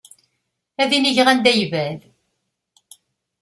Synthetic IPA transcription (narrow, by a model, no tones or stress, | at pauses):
æðiniʝʁænd̪æjvæl